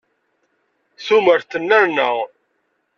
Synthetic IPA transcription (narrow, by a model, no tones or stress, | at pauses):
θuməɾθənːæɾnəʁ